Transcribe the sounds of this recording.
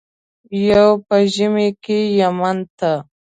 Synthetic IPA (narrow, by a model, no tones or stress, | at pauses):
jawpəʒɪmekejamant̪a